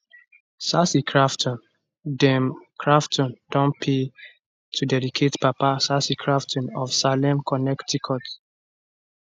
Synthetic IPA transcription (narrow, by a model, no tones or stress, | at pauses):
sasikʰɹaftʰɔ̃n | dɛmkʰɹaftʰɔ̃ndɔ̃npʰe | tʰudɛdikʰetpapasasikʰɹaftʰɔ̃nɔfsalɛ̃mkʰɔnɛktikʰɔt